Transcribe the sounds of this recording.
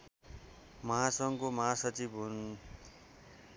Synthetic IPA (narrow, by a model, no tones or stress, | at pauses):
mʌɦasʌŋkomʌɦasʌt͡sibun